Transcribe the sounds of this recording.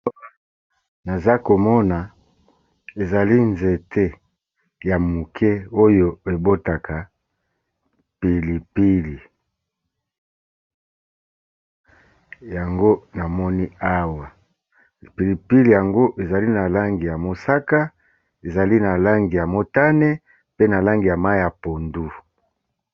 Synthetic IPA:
na˨za˦ko˨mɔ˦na˨ | e˨za˨li˦nze˨tʰe˦ | ja˨mu˨kʰe˦o˦jo˦e˨bo˦ta˨kʰa˨ | pi˨li˨pi˦li˨ | ja˨ŋɡo˦na˨mɔ˦ni˦a˦wa˨ | pi˨li˨pi˦li˨ja˨ŋɡo˦ʔe˨za˨li˦na˨la˦ŋɡi˨ja˨mo˨sa˦ka˦ | e˨za˨li˦na˨la˦ŋɡi˨ja˨mo˨ta˦ne˦ | pe˦na˨la˦ŋɡi˨ja˨ma˦ja˨po˨ndu˦

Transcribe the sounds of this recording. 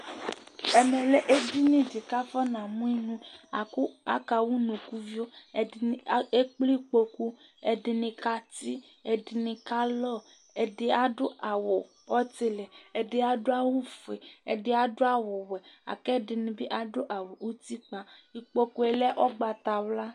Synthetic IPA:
ɛ˧mɛ˨lɛ˦ʔe˦di˦nĩ˦˨d͡ʒi˨ka˦fɔ˦nã˨mũ˦i˦nũ˦a˨ku˦a̰˦ka˧wu˦nũ˨ku˦vi˦o˦˨˦ | e˦k͡pli˦˨k͡po˧ku˧ɛ˧dɪ˧nĩ˧ka˦ti˦ | ɛ˧dɪ˧nĩ˧ka˦lɔ˦˨ | ɛ˨dɪ˧a˨dʊ˦a˨wʊ˨ | ɔ˦ti˨lɛ˨ɛ˨dɪ˦a˨dʊ˦a˦wu˦fe˨ɛ̰˨dɪ˦a˨dʊ˦a˦wʊ˨wɛ˨a̰˨kɛ˦dɪ˨nĩ˧bi˦ʔa˨dʊ˦ʔa˨wo˨ʔu˦ti˦k͡pa˨i˨k͡po˧ku˦e˨lɛ˦ʔɔ˦ɡ͡ba˧t̪a˨wla˦

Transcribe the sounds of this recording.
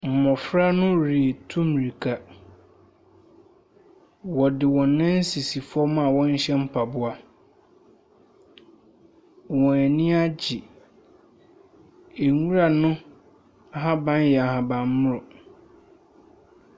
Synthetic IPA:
m̩˨mɔ̃˨fɾa˦nʊ̃˦ɾi˨e˨tʰũ˦m˨ɾi˨kʰa˨ | wɔ˨dɪ˨wɔ̃˨nːã˦n̩˦si˨si˨fʊ˦ɔ˦mã˦˨wɔ̃˦ɲ˦ɕɛ˦m̩˦pʰa˨bʊ˦a˨ | wɔ̃˨æ˨nĩ˦a˦d͡ʑi˨ | e˨ŋũ˦ɾa˨nʊ̃˦ | a˦ɦa˦bã˦n˦jɛ˨a˨hã˨bã˨m˦mʊ̃˦ɾʊ˨

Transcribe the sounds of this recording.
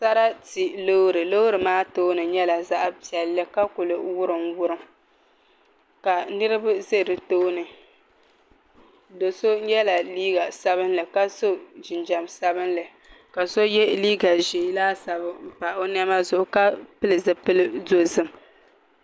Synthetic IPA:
sa˦ɾa˦ti˨lo˦ɾɨ˨lo˦ɾɨ˨maː˦to˦nɨ˨ɲɛ˦la˨za˦ʔpi˨ɛ˨lːɨ˦ka˦kʊ˨lɨ˨wʊ˦ɾɨ˨ŋwʊ˦ɾɨ˦ | ka˨nɨ˦ɾɨ˦bʊ˦ze˦˨ɾɨ˨toː˦nɨ˨ | do˨so˦ɲɛ˦la˨liː˦ɡa˨sa˦βɨ˦nlɨ˨ka˦so˦d͡ʒɪ˨nd͡ʒa˨msa˦bɨ˦nlɨ˨ | ka˨so˦jɛ˦liː˦ɡa˨ʒi˨˦laː˦sa˨bɨ˦m̩˦˨pa˨o˦n˦ɛ˦ma˦zʊ˨ʔʊ˨ka˦pɨ˦lɨ˨zɨ˨pɨ˦lɨ˦zo˦zɨ˦m

